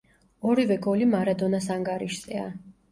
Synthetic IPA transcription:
ɔɾivɛɡɔlimaɾad̪ɔnasaŋɡaɾiʃsʼɛa̰

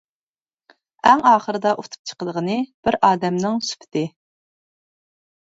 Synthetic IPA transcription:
ɛŋɑːχəɾɨd̪ɑʔot̪ʰu̥p̚t͡ʃʰə̥qəd̪əʁənɨb̥ɪɾɑːd̪ɛmnɪŋsu̥pʰɪ̥t̪ɪ

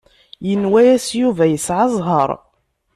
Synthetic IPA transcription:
jənwæjæsjuvæjəsʕɑzˤɦɑɾˤ

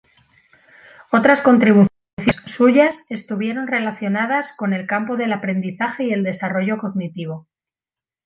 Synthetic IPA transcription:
o̞t̪ɾasko̞nt̪ɾiβu | θisuʝase̞st̪uβ̞je̞ɾo̞nre̞laθjo̞naðasko̞ne̞lkampo̞ðe̞lapɾe̞nd̪iθaxe̞ie̞ld̪e̞saro̞ʝo̞ko̞ɣnit̪iβ̞o̞

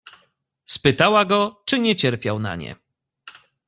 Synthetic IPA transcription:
spɘt̪awaɡɔt͡ʂɘɲɛt͡ɕɛɾpʲjawna̰ɲɛ̰

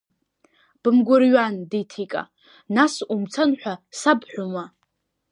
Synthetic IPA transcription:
b̥ɨmɡʷʊrɥanditʰikʼa̰ | nasumt͡sʰanħʷᶣasabħᶣʷʊma

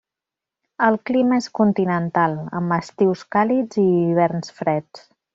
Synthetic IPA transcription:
əlˠkliməeskunt̪inənt̪alˠə̰məst̪iwskalid͡ziːβ̞ɛɾnsfɾɛt͡s

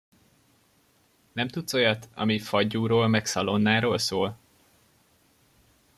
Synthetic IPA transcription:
nɛmt̪ut̪so̞jɒt̪ɒ̰mifɒɟːuːɾoːlmɛksɒlo̞nːaːɾoːlsoːl

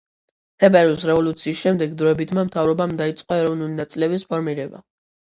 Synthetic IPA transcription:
t̪ʰɛbɛɾiusɾɛvɔlut̪sʰiːsʃɛmd̪ɛɡd̪ɾɔɛbit̪ʰmamt̪ʰavɾɔbamd̪ait̪sʼqʼɔɛɾɔvnulinat̪sʼilɛbispʰɔɾmiɾɛba̰

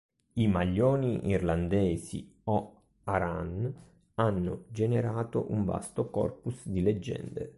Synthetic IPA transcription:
imaʎːɔːniʔḭrland̪ɛːsḭo | aɾa̰n | anːʊd͡ʒeneɾaːt̪oʔuɱva̰st̪okɔ̰rpusd̪iled͡ʒːɛ̰nd̪ḛ

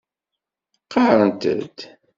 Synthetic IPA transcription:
qɑɾənt̪ə̰d̪

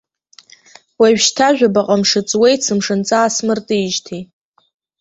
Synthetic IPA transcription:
waʒᶣʃtʰaʒᶣabaqʼamʂɨt͡sʼwejt͡sʰɨmʂɨnt͡sʼaːsmɨrtʼijʒtʰi

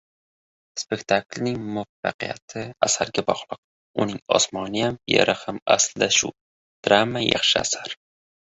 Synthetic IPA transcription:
spe̞kʲt̪ʰaklnɪŋmʊafaqʰija̰t̪ʰɪasaɾɡʲabɒʁlˠɨq̚ | ʊnɪŋɒ̰smɒnɪjamjḛɾʔahama̰sld̪aʃʊ̰ | d̪̥ɾamːajɑ̰χʃɪa̰saɾ

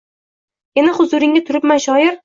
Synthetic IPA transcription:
enɪχʊzʊɾɪŋɡʲat̪ʰʊɾɪpmanʃɒjɪɾ

